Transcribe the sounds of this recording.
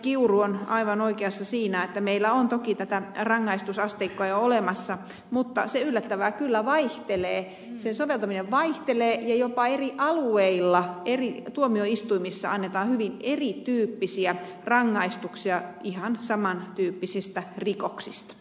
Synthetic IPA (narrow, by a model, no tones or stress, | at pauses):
kiuruonɑiʋɑnoikeɑsːɑsiːnæet̪ːæmeilːæont̪okit̪æt̪ærɑŋːɑist̪usɑst̪eikːoɑjoolemɑsːɑ | mut̪ːɑ̰seylːæt̪ːæʋækylːæʋɑiht̪eleː | sensoʋelt̪ɑmineʋʋɑiht̪eleːjɑjopɑeriʔɑlueilːɑerit̪uomioist̪uimisːɑ̰ɑnːet̪ɑːhyʋinerit̪yːpːisiæ | rɑŋːɑist̪uksiɑihɑnsɑmɑnt̪yːpːisist̪ærikoksist̪ɑ̥